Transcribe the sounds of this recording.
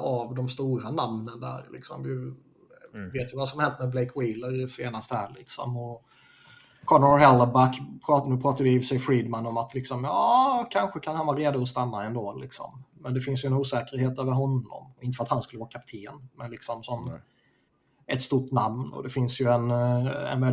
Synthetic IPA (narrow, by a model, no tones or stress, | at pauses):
avd̪ɔmst̪uːɾanamnənd̪æ̰ːɾlɪ̰ksɔ̰mvɪ | veːt̪jəvasɔmahɛnt̪mɛbleɪkʰwiləɾseːnast̪hæːɭɪksɔ̰mɔ | kʰɔnɾhɛləbækpʰɾɑnʉ̟ːpʰɾɑːt̪adɪfsɛjfɾiːd̪manːɔmat̪lɪksɔmjɑːkʰanɧəkʰanhanvɑːɾeːd̪ʊɔst̪amːaɛnd̪oːlɪksɔ̰mːɛnd̪ɛfɪnsjɵɛnuːsɛːkəɾheːt̪øːvəɾɦɔnːɔ̰mɔɪnt̪əfɾat̪hanskɵləvɑːɾakʰap̚t̪ʰeːnmɛnlɪksɔmsɔm | ʔɛt̪st̪uʈːnamnɔ̰d̪ɛfɪnsjɵɛnɛ̰nvɛl